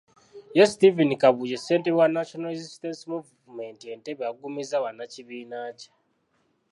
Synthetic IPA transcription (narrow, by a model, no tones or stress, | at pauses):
jestivinikaβujeseːntewanaʃonalezistensimuvvume̞ntie̞nteβeaɡumizaβanːaciβiːnaːce̥